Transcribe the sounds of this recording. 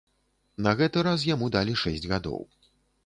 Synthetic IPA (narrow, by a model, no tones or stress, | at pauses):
nɐɣɛt̪ɨɾas̬jamud̪alʲiʂɛsʲd͡zʲɣad̪ɔ̰w